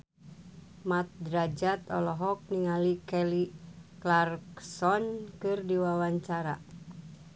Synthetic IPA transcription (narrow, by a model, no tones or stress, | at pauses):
mat̪̚dɾad͡ʒat̪ɔ̰lɔɦɔk̚niŋalikɛliklarksɔnkɨrdiwawaɲt͡ʃaɾa̰